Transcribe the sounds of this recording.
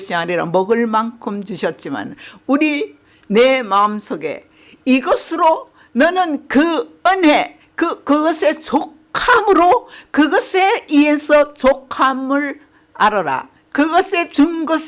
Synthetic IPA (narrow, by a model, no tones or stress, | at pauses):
ɕʰiɦaniɾa̰mʌɡɯɭmaŋkʰɯmd͡ʑuɕʰʌt̚t͡ɕ͈ima̰nuɾi | nemamsʰoɡḛ | iɡʌsʰɯɾo | nʌnɯnkɯɯne̞ | kɯkɯɡʌsʰe̞t͡ɕokʰamɯɾokɯɡʌsʰe̞iesʰʌt͡ɕokʰamɯɭ | aɾʌɾa̰ | kɯɡʌsʰe̞t͡ɕunɡʌs